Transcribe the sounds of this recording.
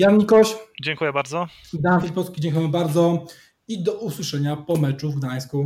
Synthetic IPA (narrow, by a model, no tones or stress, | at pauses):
janɲikɔɕd͡ʑɛŋkujɛbaɾd̪zɔ | ɡd̪anfʲipɔlskʲid͡ʑɛ̃ŋkujɛ̃baɾd̪zɔ | id̪ɔuswɘʂɛɲapɔmɛt͡ʂuvɡd̪aj̃sku